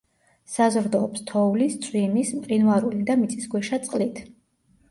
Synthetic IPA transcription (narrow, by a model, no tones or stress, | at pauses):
sazɾd̪ɔːpst̪ʰɔvlist̪sʼʰwimismqʼinwaɾulid̪amit̪sʰʼisɡwɛʃat̪sʼqʼlit̪ʰ